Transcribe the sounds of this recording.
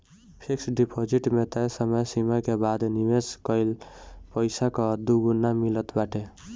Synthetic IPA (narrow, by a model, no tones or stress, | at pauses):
pʰiksɖipʰod͡ʒiʈmet̪ajsəməjsimajkebad̪nimeskʌjlpəjsakɔd̪uɡunːamilət̪baʈe